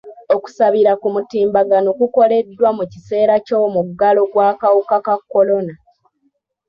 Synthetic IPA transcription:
o̞ku̥saβiɾakumutiːmbaɡano̞kuko̞le̞dːwamucise̞ːɾacomuɡalo̞ɡwaːkawukakakːo̞lo̞na

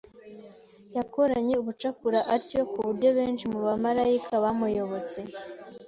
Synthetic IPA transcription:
jako̞ɾaɲe̞uβut͡ʃakuɾaʔaɾco̞kuβuɾɟo̞βe̞ːnt͡ʃimuβamaɾaikʰaβamujo̞βo̞t͡se̞

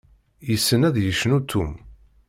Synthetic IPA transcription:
jəsːənæðjəʃːnut̪ʰːum

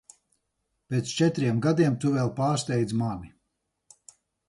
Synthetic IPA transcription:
pʲet̪st͡ʃɛt̪ɾiɛmɡad̪iɛmt̪uvɛlˠpaːɾst̪ʲɛjd̪zmani

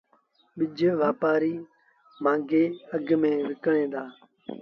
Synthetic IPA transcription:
ɓɪd͡ʒʱʋaːpaːɾiː | mãːŋɡeːəɡmẽːʋɪkɳẽːd̪aː

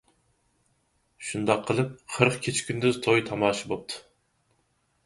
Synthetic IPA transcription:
ʃund̪ɑqʰːəlˠɨp̚qʰəɾqkʲʰet͡ʃʰi̥kʲynd̪yzt̪ʰojt̪ʰɑmɑːʃibop̚t̪ʰu̥

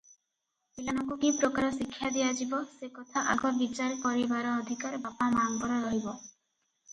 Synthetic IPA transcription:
pilanɔŋkukipɾɔkaɾɔsikʰːjad̪ijad͡ʒibɔsekɔt̪ʰaʔa̰ɡɔbit͡ʃalpɔɾibaɾɔːd̪ʱikaɾbapamaŋkɔɾɔɾɔɦibɔ

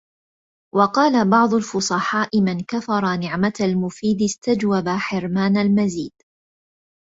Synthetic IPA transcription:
wɑqɑːlabɑʕd̪ˤʊlfʊsˤɑħɑːʔɪmankafɑɾˤɑnɪʕmaalmʊfiːd̪ɪst̪ad͡ʒwabaħɪɾmaːnalmaziːd̪̥

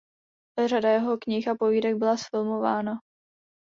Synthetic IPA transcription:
radajɛɦo̞kɲɪxapo̞viːdɛɡ̚bɪlasfɪlmo̞vaːna

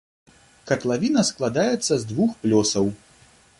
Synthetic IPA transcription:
kɐt̪lˠavʲinɐsklˠad̪ajɛt̪sːɐzd̪vuxplʲɔsɐw

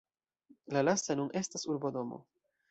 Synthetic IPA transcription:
lalastanunʔe̞stasuɾbodo̞mo̰

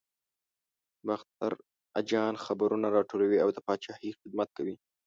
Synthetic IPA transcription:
baxt̪a̰ɾ | ad͡ʒɑnxabaɾunaɾɑʈolawiawd̪əpɑt͡ʃɑhixɪd̪̚mat̪̚kawi

